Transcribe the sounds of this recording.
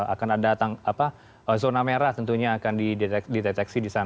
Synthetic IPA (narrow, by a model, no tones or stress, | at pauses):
a̰kanadat̪aŋapa | əzonameɾaht̪ənt̪uɲaːkandidet̪ɛdit̪ɛt̪ɛksidisan